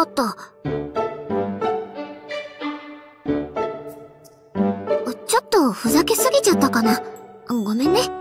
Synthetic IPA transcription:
ot̪ːo | t͡ɕot̪ːoɸɯ̟zakesɨɡʲit͡ɕat̪ːakanaɯŋɡomene

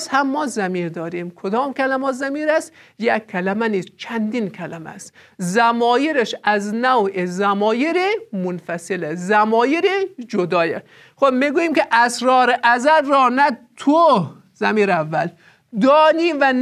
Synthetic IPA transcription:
shæmːɒːzæmiːɾd̪ɒːɾimkʰod̪ɒːmkʲʰælæmɒːt̪zæmiːɾæst̪ | jækʲʰːælæmæniːst͡ʃʰænd̪inkʰælæmæ̰st̪ | zæmɒːjiɾeʃæznæwʔezæmɒːjiɾemonfæselezæmɒːjiɾid͡ʒod̪ɒːjḛ | xobmiɡuːjiːmkʲeʔæsɾɒːɾeʔæzæɾːɒːnæt̪ʰo | zæmiːɾævːæl | d̪ɒːniːvæn

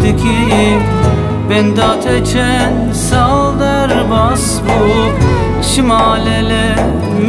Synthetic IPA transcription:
d̪ikʰijm | bɛnd̪at̪ʰɛt͡ʃʰɛ | n | salˠd̪ɛɾbas | bu | ʃimalɛlɛ | m

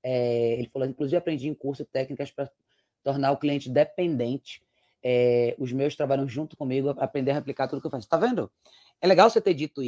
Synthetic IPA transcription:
ɛelɪfalokĩkluzivwapɾẽnd͡ʒiẽkuɾsʊt̪ɛknikɐʃpɾɐ | t̪oɾnaʊkliẽnt͡ʃɪd̪epẽnd̪ẽnt͡ʃɪ̥ | ɛʊzmewʃt̪ɾabaʎɐ̃w̃ʒũt̪ʊ̥kõmiɡʊapɾẽnd̪eɾɐɦeplikat̪ud̪ʊkewfase̥t̪avẽnd̪ʊ | ɛleɡawset̪ed͡ʒit̪ʊi

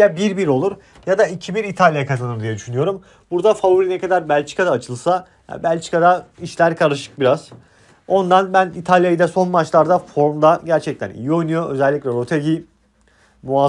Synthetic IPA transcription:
abiɾbiɾo̞lˠuɾ | jad̪aicʰibiɾit̪ʰalʲjakʰazanɯɾd̪ijɛd̪yʃynyjo̞ɾum | buɾd̪afavuɾinɛkʰad̪aɾbælʲt͡ʃi̥kʰad̪aːt͡ʃʰɯlˠsa | ja̰bælʲt͡ʃʰi̥kʰad̪aiʃlʲæɾkʰaɾɯʃɯ̥k̚biɾaz | o̞nd̪anbænit̪ʰalʲjajɯd̪ɛso̞nmat͡ʃlˠaɾd̪afo̞ɾmd̪aɟæɾt͡ʃʰɛc̚t̪ʰænḭjio̞jnujo̞ø̞zɛlʲːicʲlʲɛɾo̞t̪ʰeɟi | mua

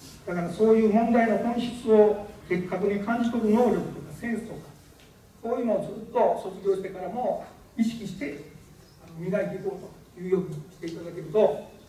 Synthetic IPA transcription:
d̪̥akaɾaso̞ːjɯ̟ːmõ̞nd̪aino̞kõ̞ɰ̃ɕi̥t͡sɨo̞k̪e̞kːakɯ̟ɲ̟ikʰãɲ̟d͡ʑit̪o̞ɾɯ̟no̞ːɾʲo̞kɯ̟̥t̪okasẽ̞ɰ̃sɨ̥t̪o̞ka | soːjɯ̟ːnoːzɨːt̪ːo̞so̞t͡sɨɡʲo̞ːɕt̪e̞kaɾamo̞ | iɕi̥kʲiɕi̥t̪e̞ | ano̞mʲiɡait̪e̞iko̞ːt̪o̥ | jɯ̟ːjo̞kʲikʲi̥t̪e̞it̪ad̪ake̞ɾɯ̟t̪o̞

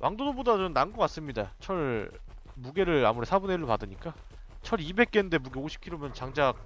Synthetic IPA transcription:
wʔa̰ŋdodobodat͡ɕomnanɡʌk͈at̚s͈ɯmɲidat͡ɕʰʌɭ | muɡe̞ɾɯɭa̰muɾe̞sʰabunɦeɾɯpadɯɲik͈a | t͡ɕʰʌɾibe̞k̚k͈ende̞muɡe̞oɕʰi̥p̚kʰiɾomjʌnt͡ɕaŋd͡ʑak̚

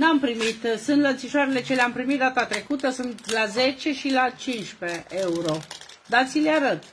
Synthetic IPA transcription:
nampɾimit̪sunt̪lənt̪siʃoaɾele̞t͡ʃeleampɾimit̪̚d̪at̪at̪ɾe̞kut̪əsunt̪laze̞t͡ʃe̞ʃilat͡ʃinʃpeeuɾo̞d̪at̪sileaɾət̪

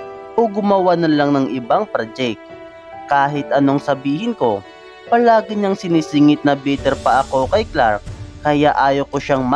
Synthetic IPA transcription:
ʔoɡʊmɐwanɐlaŋnɐŋʔɪbaŋpɾad͡ʒɛk̚t̪ | kaːɦɪt̪ʔɐno̞ŋsɐbiːhɪnko̞ | pɐlaːɡɪɲaŋsɪnisɪŋɪt̪̚nɐbiːt̪ɛɾpɐʔɐko̞kɐjklaɾk̚ːɐjaʔaːjokoʃaŋm

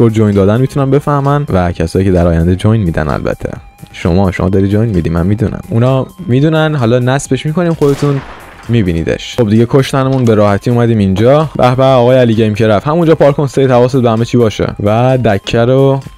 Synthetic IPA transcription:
oɾd͡ʒojnd̪ɒːd̪ænmiːt̪ʰunænbe̞fæhmænvæcʰæsɒːjiːced̪æɾɒːjænd̪ed͡ʒojnmiːd̪æ̰næ̰lbæ̰t̪ʰːḛ | ʃo̰mɒːʃo̰mɒ̰d̪ɒɾid̪̚d͡ʒojnmiːd̪imæ̰nmiːd̪unæ̰munɒːmiːd̪unænɦɒlɒːnæsbe̞ʃmiːkʰo̞niːmχod̪et̪ʰun | miːbiːnḭːd̪ḛʃxo̞b̚d̪iɟekʰoʃt̪ænemunbeɾɒːhæt̪ʰiːuːmæd̪iːmind͡ʒɒːɾʔæ̰hbæɾɒːɣɒːjeæliːɟeimcʰe̞ɾæfhæmund͡ʒɒːpʰɒːɾkʰonsejit̪hævɒːset̪̚behæmet͡ʃʰiːbɒːʃḛvæd̪æcʰːæɾo

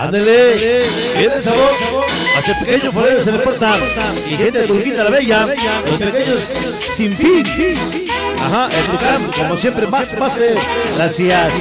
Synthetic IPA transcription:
a̰nd̪ele | kenes̬aβos | ast̪epekeɲopoɾeɾos̬elepoɾt̪aɾ | ixent̪et̪oŋkit̪alaβejalospekeɲos | siɱfin | a̰haʔet̪ukand̪komosjempɾemasmaselasias

